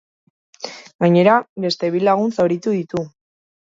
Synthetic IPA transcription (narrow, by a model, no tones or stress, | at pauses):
ɡaɲe̞ɾabe̞st̪e̞βilaɣ̞unsoɾit̪uðit̪u